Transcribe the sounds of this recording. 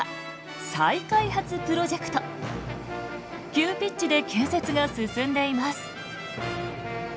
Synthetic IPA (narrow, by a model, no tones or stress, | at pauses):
saikaihat͡sɨpɯ̟ɾo̞ʑe̞kɯ̟̥t̪o | kʲɨːpʲit͡ɕt͡ɕːid̪e̞kʲeːse̞t͡sɨɡasɨsɨ̃nd̪e̞imasɨ̥